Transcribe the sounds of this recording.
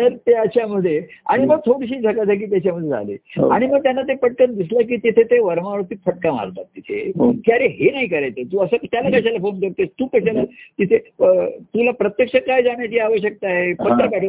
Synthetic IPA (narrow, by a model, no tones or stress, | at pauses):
t̪əɾt̪eaɕaməd̪ʱːjea̰ɽ̃iməɡt̪ʰoɽiɕ̬iːd͡zʱəkat̪ak̬iːt̪̬jat͡ɕjaməd̪ʱjed͡zʱa̰lḭːɦo̰aɽ̃iməɡ̚t̪janːat̪efəʈ̚kənd̪islək̬iːt̪it̪ʰet̪eʋəɾʋãəɾt̪iːfəʈ̚kaʋa̰ɾt̪a̰t̪ːit̪ʰḛkjaɾeɦenaɦikəɾajt̪et̪uːəsət̪jalakaɕ̬alafonkəɾt̪est̪uːpəɕalat̪it̪ʰet̪ulapɾət̪jəkʂəkajd͡zaɳ̃jat͡ɕiːaʋəɕjək̚t̪aaɦepət̪ːəbɛʈʰə